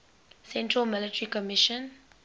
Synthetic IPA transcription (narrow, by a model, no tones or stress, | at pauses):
sɛ̃ntɹəlmɪlɪtəɹikɔmɪʃə̃n